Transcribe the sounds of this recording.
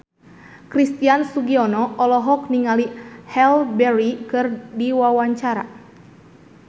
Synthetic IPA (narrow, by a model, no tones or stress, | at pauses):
kɾist̪iansuɡiɔnɔʔɔlɔɦɔk̚niŋalihɛlbɛɾikɨrdiwawaɲt͡ʃaɾa̰